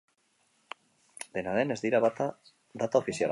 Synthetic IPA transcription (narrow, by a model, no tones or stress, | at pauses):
d̪enaðenezðiɾa | d̪at̪aofiθja̰